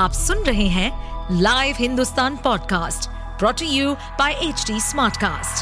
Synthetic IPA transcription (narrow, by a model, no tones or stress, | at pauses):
aːpsʊnɾɐɦeɦɛ̃ːlaːɪʋɦɪ̃nd̪ust̪aːnpɔːɖkaːsʈ | pɾɔːʈiju | b̥aːɪʔeːt͡ʃɖiːsmaːɾʈkaːsʈ